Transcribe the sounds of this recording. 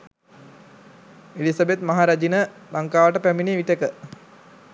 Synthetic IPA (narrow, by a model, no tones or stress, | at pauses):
elisəbet̪maɦaɾad͡ʒinəlaŋkaːʋəʈəpæminiʋiʈəkə